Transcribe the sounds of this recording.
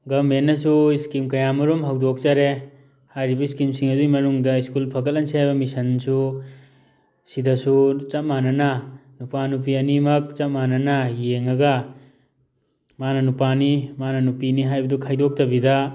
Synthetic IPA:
ɡɐmenːɐsuiskimkɐjamɐɾumɦawdok̚t͡ʃaɾe | hajɾibɐiskimsiŋɐdujmɐnuŋdɐiskulpʰɐɡɐlɐnsʰiajbɐmisɐnsu | sidɐsut͡ʃɐt̚manɐnɐnupanup̬iɐnimɐk̚t͡ʃɐt̚manɐnɐjeŋɐɡɐ | manɐnupanimanɐnupiniɦajbɐdukʰajdok̚tɐbidɐ

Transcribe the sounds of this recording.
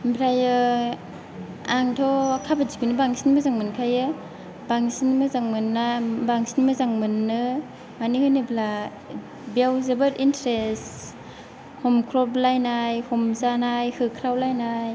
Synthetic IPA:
mbʰɾajɯ | aŋtʰɔkʰabazikɯnɯbaŋsinmɯzaŋmɯnkʰajɯ | baŋsinmɯzaŋmɯnːabaŋsinmɯzaŋmɯnːɯ | manihɯjnɯbla | bawzebɯɾintɾes | hɔmkʰɾɔblajnajhɔmzanajhɯkʰɾawlajnaj

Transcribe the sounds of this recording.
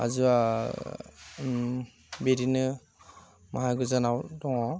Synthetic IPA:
a̰zua | beɾinɯ | maɦaɡɯzanawdɔŋɔ

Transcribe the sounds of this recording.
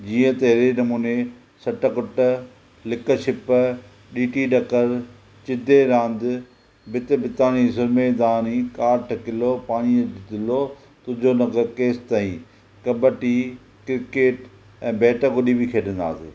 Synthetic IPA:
d͡ʑiːə̃t̪ɐɦɪɾenɐmuːne | sɐʈəkʊʈə | lɪkəʃɪp | ɗiːʈiɗɐkəɾ | t͡ɕɪd̪ʱeɾãːnd̪ | bɪt̪ɪbɪt̪aːnisʊɾmeːd̪aːnikaːɾʈʰɐkɪlopaːñidɪd̪ɪlo | t̪ʊd͡ʑʱonɐkəɾkeːst̪aːĩ | kɐbəʈi | kɪɾɪkeːʈ | ɛ̃ːbeːʈəɡʊɗibɪkʰeːɗə̃nd̪a̰ːseː

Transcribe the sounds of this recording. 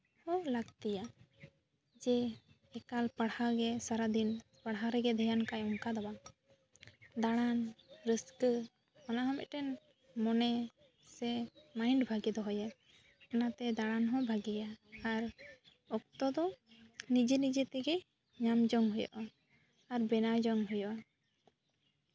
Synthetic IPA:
hɔlaɡt̪ija | d͡ʒɛ | ɛkalpəɽhaɡɛsaɾad̪inpəɽɦaɾɛɡɛd̪ʱɛjankajɔmkad̪aba | d̪aɽ̃anɾisk | ɔnaɦɔmɛ̰ʔ̪̚ʈɛn | mɔnɛ | sɛmajɳɖbʱaɡɛd̪ɔɦɔja | anat̪ɛd̪aɽanɦɔ̃bʱaɡɛjaːɾ | ɔk̚t̪ɔd̪ɔnid͡ʒinid͡ʒɛt̪ɛɡɛ | ɲamd͡ʒɔŋɦɔjɔ̰ʔa | aɾbɛnad͡ʒɔŋɦujɔʔa

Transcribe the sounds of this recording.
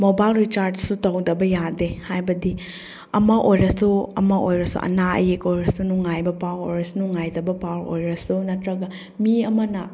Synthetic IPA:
mobajlɾit͡ʃaɾd͡ʒsutɐwdɐbɐjadehajbɐdi | ɐmɐʔojɾɐsuɐ̰mɐojɾɐsṵʔɐ̰naɐ̰jekojɾɐsunuŋajbɐpawo̰jɾɐsunuŋajdɐbɐpawo̰jɾɐsunɐtɾɐɡɐ | miɐmɐnɐ

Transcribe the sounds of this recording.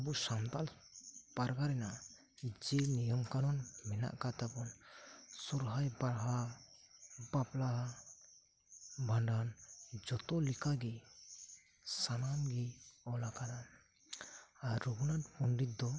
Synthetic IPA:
abusamt̪al | paɾɡaɾɛna | d͡ʒɛnijɔmkanɔnmɛna̰ʔkat̪apɔnsuɾɦajbaɾɦa | bapla | bʱaɳɖand͡ʒɔt̪ɔlikaɡi | sanamɡiɔlakana | aɾːɔɡunat̪punɖit̪̚d̪ɔ

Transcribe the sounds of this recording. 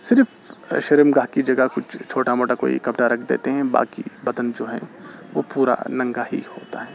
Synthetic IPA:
sɪɾf | ʃɐɾəmɡaːɦkid͡ʒɐɡəɦkʊt͡ʃʰt͡ʃʰoːʈamoːʈako̰ːḭkɐpʈaɾɐkʰd̪ḛːt̪eɦɛ̃ba̰ːkibɐd̪ənd͡ʒoːɦɛ̃ʋo̰ːpuːɾa̰nɐ̃ŋɡaɦḭhoːt̪aɦɛː

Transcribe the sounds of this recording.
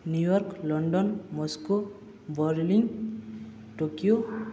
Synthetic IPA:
njujɔɾklɔɳɖɔnmɔsko | bɔɾliŋ | ʈokijo

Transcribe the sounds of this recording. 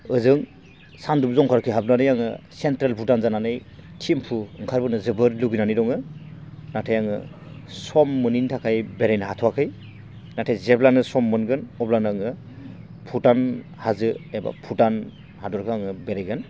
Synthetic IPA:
ɯzɯŋ | sandubzɔŋkʰaɾkʰiɦabnanɯjaŋɯsentɾelpʰutanzananɯjtʰimpʰuɯŋkʰaɾbɯnɯzɯbɯɾluɡinaniɾɔŋɯ | natʰajaŋɯ | sɔmːɯnintʰakʰajbeɾajnaɦatʰɔwakʰɯj | natʰejzeblanɯsɔmːɯnɡɯnɔblanaŋɯ | pʰutan | hazɯeba̰pʰutan | hadɔɾkʰɯaŋɯbeɾajɡɯn

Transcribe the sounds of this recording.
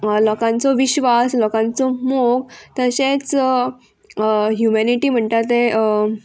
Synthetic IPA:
lɔkãnt͡sɔʋiɕʋaslɔkãnt͡sɔmoɡ̚t̪əɕet͡s | ɦjumaniʈiːm̤əɳt̪at̪e

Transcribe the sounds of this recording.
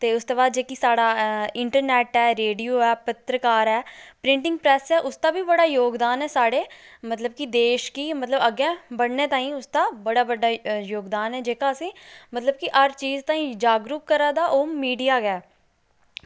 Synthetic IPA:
t̪eːʊst̪eːbaːd̪̚d͡ʒeːkisaːɽaːɪɳʈəɾnɛːʈɛːɾeːɖijoːɛːpət̪ɾəkaːɾɛːpɾɪ̃ɳʈɪ̃ŋɡ̚pɾɛːsɛːʔʊst̪aːbiːbəɽaːjoːɡd̪aːnɛːsaːɽeːmət̪ləbkid̪eːʃkiːmət̪ləbəɡɛ̃ːbəɽneːt̪ãːĩːʊst̪aːbəɽaːbəɖaːjoːɡd̪aːnɦɛːd͡ʒeːkaːəsĩːmət̪ləb̚kɪʔəɾt͡ʃiːzt̪ãːĩːd͡ʒaːɡɾuːkːəɾãːd̪aːʔʊmmːiːɖijaːɡɛː

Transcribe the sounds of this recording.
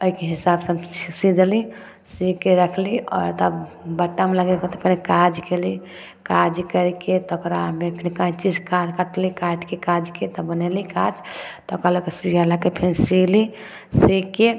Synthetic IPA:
oikeɦisabsə̃sid̪li | sikeɾəkʰliɔ̰ːɾt̪ɔ | bəʈːameləɡekt̪pɛnekad͡ʒkeli | kad͡ʒkəɾket̪ɔokɾamepʰinkãt͡ʃid͡ʒkad͡ʒkəʈlikaʈkekad͡ʒket̪ɔbənelikad͡ʒt̪ɔkɾalokesujalakepʰinsili | sike

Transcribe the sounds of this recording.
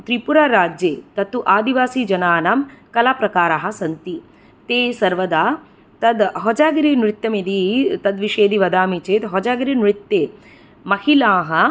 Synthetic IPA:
t̪ɾipuɾaɾaːd͡ʒjeːt̪ɐt̪uʔaːd̪iʋaːsid͡ʒɐnaːnaːmkɐlaːpɾɐkaːɾaɦɐ̆sɐnt̪i | t̪eːsɐɾʋɐd̪aː | t̪ɐd̪ɦɔd͡ʒaːɡɐɾinɾɪt̪jɐmid̪it̪ɐd̪ʋiʃeːd̪iʋɐd̪aːmit͡ʃeːt̪ɦɔd͡ʒaːɡɾinɾɪt̪ːeː | mɐhilaːɦɐ̆

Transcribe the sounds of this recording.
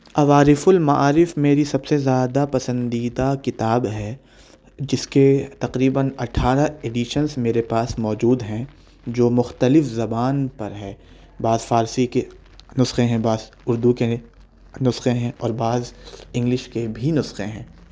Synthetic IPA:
ɐʋaːɾɪfʊlmaʔaːɾɪfmeːɾisɐbsezjaːd̪apɐsə̃nd̪iːd̪akɪt̪aːbɦɛː | d͡ʒɪsket̪ɐqɾiːbənɐʈʰaːɾaeːɖiʃənzmeːɾepaːsmɔːd͡ʒuːd̪ɦɛ̃ | d͡ʒoːmʊxt̪əlɪfzɐbaːnpɐɾɦɛː | baːzfaːɾsike | nʊsxẽɦɛ̃baːz | ʊɾd̪uke | nʊsxẽɦɛ̃ʔɔːɾbaːzɪ̃ŋɡlɪʃkebʱinʊsxẽɦɛ̃ː

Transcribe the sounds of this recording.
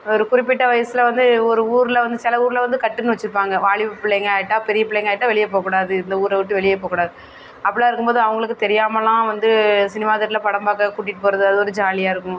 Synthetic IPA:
ɔɾɯkʊɾɪp̬ːɪʈːɐʋɐjɐsɯlɐʋɐnd̪ɯɔɾɯuːɾlɐʋɐnd̪ɯsɪlɐuːɾɪlɐʋɐnd̪ɯkɐʈːɯnːɯʋɐt͡ʃːɪɾɯp̬ːaːŋɡɐʋaːɭɪpːɯpɪɭːɛjŋɡɐaːɪʈːãːpɛɾɪjɐpɪɭːɛjŋɡaːjɪʈːãːʋɛɭɪjɐpoːkuːɽaːɐðɯɪnd̪ɐuːɾɐʋɪʈːɯʋɛɭɪjɐp̬oːkuːɽaːðɯ | ɐpːɐɽɭaːɪɾɯkːɯmpoːðɯɐʋɐŋɡɐɭɯkːɯt̪ɛɾɪjaːmɐlːãːʋɐnd̪ɯsɪnɪmaːðɐʈːɪlɐpɐɽɐmbaːkɐkuːʈːɪʈːɯpoːɾɐðɯɐðɯɔɾɯd͡ʒaːlɪjaːɪɾɯkːʊ̃

